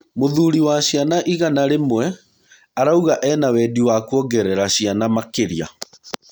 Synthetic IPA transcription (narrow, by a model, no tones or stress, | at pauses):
moðuɾiwaɕianaʔiɣanaɾemwɛ | aɾauɣaʔɛːnawɛːdiwakuɔɡɛɾɛɾaɕianamakeɾia̰